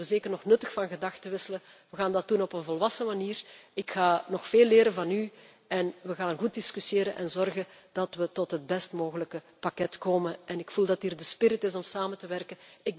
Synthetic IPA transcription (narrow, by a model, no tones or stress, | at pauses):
əzeːkərnɔxnɵtəxfɑnɣədɑxtəʋɪsələ | ʋəɣaːndɑt̚dunɔpənvɔlˠʋɑsəmaniːrɪkxaːnɔxfeːlːɪːɾəvɑny | ɛnʋəɣaːnɣut̚diskysjeːɾənʔɛ̰nzɔrɣən | d̥ɑtʋətɔtɦəd̚bɛstmoːɣələkə | pakɛtkoːmənʔɛnɪkfulˠdɑtɦiːrdəspɪrɪtɪsɔmsaːməntəʋɛrkənɪɡ̚